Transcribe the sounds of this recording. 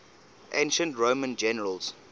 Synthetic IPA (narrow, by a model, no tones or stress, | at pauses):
ʔḛ̃ɪ̃nʃə̃ntɹoːmə̃nd͡ʒɛnəɹəlz̥